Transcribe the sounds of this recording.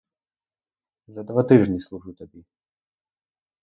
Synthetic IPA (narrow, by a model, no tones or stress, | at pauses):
zɐd̪vat̪iʐnʲislˠuʐɨt̪abʲi